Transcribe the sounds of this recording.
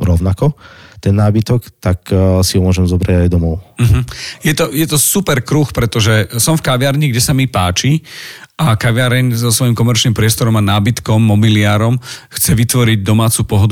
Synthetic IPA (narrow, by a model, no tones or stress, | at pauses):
ɾɔʊnakɔt̪ɛnːaːbit̪ɔkt̪aksiɔmʊɔʒɛmzɔbɾaɟajd̪ɔmɔʊm̩ɦ̩jɛt̪ɔjɛt̪ɔsupɛɾkɾuxpɾɛt̪ɔʒɛsɔmfkaʋɪaɾɲiɡɟɛsamipaːt͡ʃi | akaʋɪaɾɛɲzɔsʋɔjimkɔmɛɾt͡ʃnimpɾɪɛst̪ɔɾɔmanaːbit̪kɔmːɔbiliaːɾɔmxt͡sɛʋit̪ʋɔɾiɟ̚d̪ɔmaːt͡supɔɦɔd̪u